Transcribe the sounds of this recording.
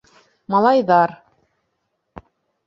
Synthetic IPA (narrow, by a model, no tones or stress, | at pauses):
mɑlˠɑjðɑɾ